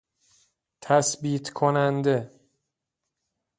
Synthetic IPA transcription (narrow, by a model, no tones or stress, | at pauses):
t̪ʰæsbiːt̪ʰkʰonænd̪e